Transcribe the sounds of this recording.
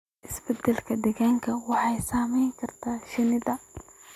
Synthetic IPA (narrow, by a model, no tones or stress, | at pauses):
ʔɪsbɛd̪ɛlkʰɐd̪ɛɣaːŋkʰɐwɑħɑjsaːmɛjŋkʰɐrt̪ʰaːʃɪnɪðɐ